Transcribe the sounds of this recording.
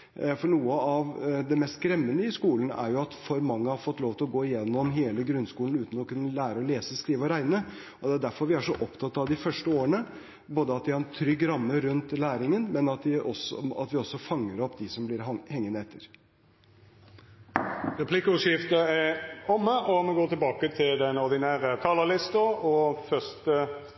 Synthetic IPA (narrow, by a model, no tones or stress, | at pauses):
fɔɳuːəɑʋd̪ɛmɛst̪kɾɛmːənəɪskuːlənæ̰ɾjʊɑt̪fɔɾmɑŋːəhɑɾfɔt̪ːloːʋt̪ʰɪlɔɡoːɪjɛnːɔmɦeːləɡɾʉnːskuːln̩ʉːt̪nɔkʉnːəlæːɾəɔleːsəskɾiːʋəɔɾæɪnə | ɔd̪ɛæɖ̪æɾfɔɾʋɪæʂɔʔɔpt̪ʰɑt̪ːɑʋd̪ɪfœʂʈəoːəɳə | boːd̪əɑt̪̚d̪ɪhɑɾɛnt̪ʰɾʏɡːɾɑmːəɾʉnt̪læːɾɪŋənmɛnɑt̪d̪ɪʔɔsɔɑ̰t̪ʋɪɔsːɔfɑŋːəɾɔpːd̪ɪsɔmblɪɾhɛŋːənəɛt̪ʰːəɾ | ʁɛpʰlɪkəʉʂɪft̪əæɔmːəʔɔmɛɡoːt̪ɪlbɑːkət̪ʰɪld̪ɛnɔɾd̪ɪnæːɾət̪ʰɑːləlɪst̪əɔfœst̪ə